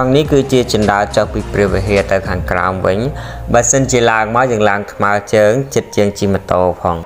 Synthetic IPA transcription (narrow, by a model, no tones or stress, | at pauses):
ɑŋnihkɨːt͡ɕiət͡ɕɑnɗaət͡ɕohpiːpriəʋiəɦiət̪ɨwkʰaːŋkra̰ɔmʋɨ̰ɲɓaəsənt͡ɕiəlaəŋmaɔwjaːəŋlaəŋk̪ʰmaət͡ɕəːŋt͡ɕət̪̚t͡ɕiəŋt͡ɕimə̆t̪oːpʰɑːŋ